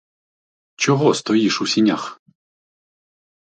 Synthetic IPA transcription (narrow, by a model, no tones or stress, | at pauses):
t͡ʃɔɦɔst̪ɔjiʃusʲinʲax